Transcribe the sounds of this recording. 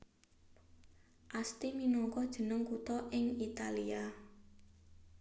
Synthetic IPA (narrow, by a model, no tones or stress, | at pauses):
ʔast̪iminɔŋkɔd̥ʒ̥ə̤nəŋkut̪ɔʔɪŋit̪alia